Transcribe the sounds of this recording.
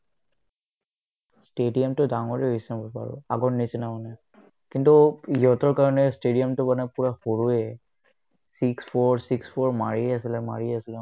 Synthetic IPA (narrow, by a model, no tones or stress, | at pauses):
stedijamtʊdaŋɔɹɛɦisinabɔpa̰ɹʊ̰a̰ɡɔɹnisinamanɛ | kintuiɦɔtɔɹkaɹɔnɛstediamtʊbanɛpuɹaxoɹuɛ | sikspʰɔɹsikspʰɔɹmaɹiasilɛma̰ɹiasilɛ